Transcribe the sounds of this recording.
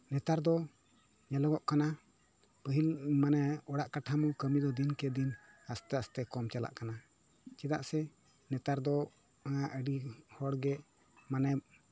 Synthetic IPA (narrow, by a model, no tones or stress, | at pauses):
nɛt̪aɾd̪ɔ | ɲalɔɡɔʔkana | pəɦilmanɛɔɽaʔkaʈʰamɔkəmid̪ɔd̪inkɛd̪in | ast̪ɛast̪ɛkɔmt͡ʃala̰ʔkana | t͡ʃid̪a̰ʔsɛ | nɛt̪aɾd̪ɔ | ŋaʔəɖihɔɽɡɛʔ | manɛ